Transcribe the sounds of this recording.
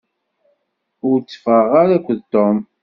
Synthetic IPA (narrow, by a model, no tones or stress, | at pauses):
ʊɾt͡sːə̥fəʁaɾækʷːðt̪om